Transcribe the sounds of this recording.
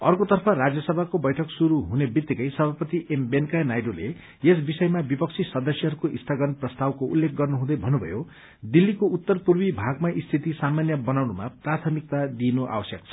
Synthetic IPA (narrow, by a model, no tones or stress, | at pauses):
ʌrkot̪ʌrpʰʌrad͡zjʌsʌbʱakobʌjʈʰʌksuɾuɦunebit̪ːikʌjsʌbʱapʌt̪iʔembenkanajɖolḛ | es̬bisʌjmabipʌk̚t͡sʰisʌd̪ʌsjʌɦʌɾukoʔisʈʰʌɡʱʌnprʌst̪awkoulːek̚ʰɡʌrnuɦũd̪ʌjbʱʌnːubʱʌ̰jo | d̪ilːikout̪ːʌrpurwibʱaɡmaʔist̪ʰit̪isamanjʌbʌnawnuma̰prat̪ʰʌmik̚t̪ad̪inuʔa̰wʌsjʌk̚t͡sʰʌ̥